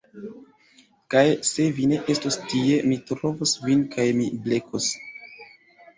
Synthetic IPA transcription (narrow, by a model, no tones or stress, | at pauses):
kajse̞vine̞ʔe̞stostie̞mitɾovosvinkajmiblekʰos